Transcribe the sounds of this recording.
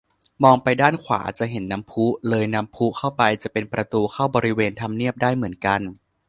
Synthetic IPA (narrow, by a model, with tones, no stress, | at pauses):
mɔː˧ŋpa˧jdaː˥˩nkʰwa̰ː˩˦t͡ɕa˨˩ʔɦe˩˦nːa˦˥mpʰu˦˥lɤː˧jna˦˥mpʰu˦˥kʰa˥˩wpa˧jt͡ɕa˨˩ʔpe˧npɾa˧t̪uː˧kʰa˥˩wbɔː˧ɾi˦˥weː˧nt̪ʰa˧mni˥˩əp̚daː˥˩jmɯ˩˦ənka˧n